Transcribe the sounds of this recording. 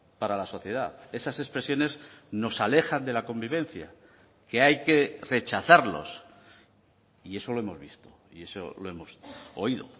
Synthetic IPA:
paɾalaso̞θje̞ðaθe̞sase̞spɾe̞sjo̞ne̞zno̞sale̞xand̪e̞lako̞mbiβ̞ẽ̞nθja̰ | ke̞ajke̞re̞t͡ʃaθaɾlo̞̰s | ie̞so̞lo̞e̞mo̞zβist̪o̞̥ | ie̞so̰lo̞e̞mo̞so̞iðo̞̰

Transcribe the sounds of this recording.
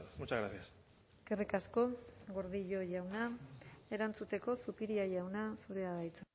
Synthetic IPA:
mut͡ʃaɣɾaθias | kerikasko̞ɣo̞ɾðiʎo̞ʝawnae̞ɾant͡sut̪e̞ko̞supiɾiaʝawnasuɾeaðajt͡sa

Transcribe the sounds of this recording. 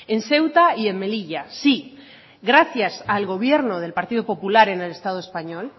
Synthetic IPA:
e̞nse̞wt̪aie̞mme̞liʝasi | ɣɾaθjasalɣo̞β̞je̞ɾno̞ð̞e̞lpaɾt̪iðopo̞pulaɾe̞ne̞le̞st̪að̞oespaɲo̞l

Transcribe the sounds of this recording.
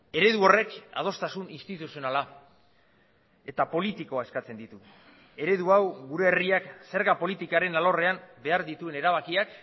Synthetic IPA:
e̞ɾe̞ðuo̞re̞ka̰ð̞o̞st̪asuninst̪it̪usio̞nala | e̞t̪apo̞lit̪iko̞ae̞skat͡se̞nd̪it̪u | e̞ɾe̞ðuawɣuɾe̞ːriakse̞ɾɣapo̞lit̪ikaɾe̞nalo̞re̞ambe̞aɾðit̪ue̞ne̞ɾaβ̞akiak

